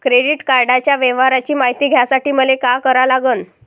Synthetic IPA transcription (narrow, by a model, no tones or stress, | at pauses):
kɾeɽiʈkaɾɖat͡ɕjaʋeʋaɾat͡ɕiːmaɦit̪iːɡʱjasaʈiːməlekakəɾalaɡəːn